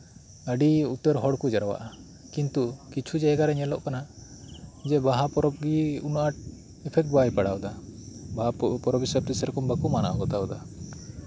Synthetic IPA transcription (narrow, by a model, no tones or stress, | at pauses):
əɖiut̪əɾɦɔɽkud͡ʒaɾwa̰ʔa | kint̪ukit͡ʃʰud͡ʒaɛɡaɾɛɲɛlɔʔkana | d͡ʒɛbaɦapɔɾɔb̚ɡiunʔaʈ̚ | ɛpʰɛk̚ʈ̚bajpaɽawd̪abapɔɾɔbisəb̚t̪isɛɾkɔmbəkumana̰ʔɔɡɔt̪aɔd̪a